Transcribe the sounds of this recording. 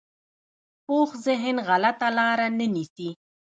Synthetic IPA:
poxzɪɦɪnɣalat̪alɑɾanənisi

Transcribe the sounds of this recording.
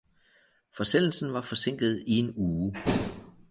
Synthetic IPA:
fɒ̽sel̰l̩sn̩ʋɑ̈fɒ̽se̝ŋ̰ɡ̥ð̞̩ˠie̝nuː

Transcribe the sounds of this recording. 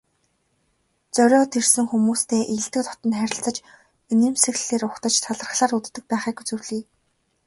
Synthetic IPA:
t͡sœɾʲɔːt̪ʰersɘ̆ŋxumuːst̪ʰeːʔiɬt̪ɘ̆kt̪ʰɔ̥t̪ə̆nχæɾʲɪ̆ɬt͡sə̆t͡ɕ | ineːmsɘ̆ɣɮeːɾʊχt̪ə̆t͡ɕt̪ʰaɮə̆r̆χɮaːrut̪ːɘ̆k̚pæːχiːkut͡sɵ̆wɮiː

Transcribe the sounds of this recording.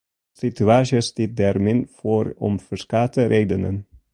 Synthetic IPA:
sɪt̪ʉɑːʃəst̪ɪd̪æːɾmenfɔːɾɔ̰mfœʂkɑt̪əɾʔed̪ənə̰n

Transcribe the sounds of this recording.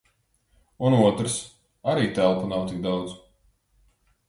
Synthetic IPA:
unuɔt̪ɾɨs | aɾiːt̪ælˠpanawt̪ik̚d̪awd̪z

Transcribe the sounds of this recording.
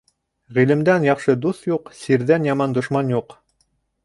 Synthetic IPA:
ʁilɘ̆md̪ænjɑχʃɤd̪uθjuqsiɾðænjɑmɑnd̪ŏʃmɑnjuq

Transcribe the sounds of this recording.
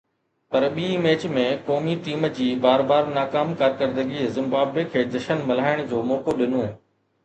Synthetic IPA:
pɐɾɓiːmeːt͡ɕmẽkɔːmiʈiːmd͡ʑiːbaːɾbaːɾnaːkaːmkaːɾkəɾd̪əɡizɪ̃mbaːbekʰeːd̪ɐʃənmɐlaːɪɽ̃d͡ʑoːmɔːkoɗɪnõː

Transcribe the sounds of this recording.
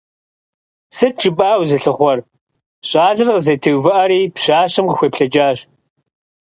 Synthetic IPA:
sɨt̚t͡ʃʼɪbʼaːwzɨɬɨχʷɔr | ɕʼaːɮɨrqəzɐtʰɨwvɐʔɐɾiːpɕaːɕɪmqəxʷeːpɬɐd͡ʒaːɕ

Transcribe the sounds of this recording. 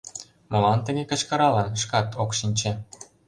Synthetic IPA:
molɑnt̪ə̆ɣekə̆t͡ɕkɤ̆ɾɑlɤnʃkɑt̪ʰokʃinʲt͡ɕĕ

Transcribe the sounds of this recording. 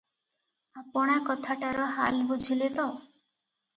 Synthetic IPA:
apɔɽ̃akɔt̪ʰaʈaɾɔɦa̰lbud͡ʒʱilet̪ɔ

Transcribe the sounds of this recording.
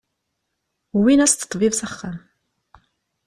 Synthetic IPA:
winæst̪ə̥t̪ˤːvivsæχːam

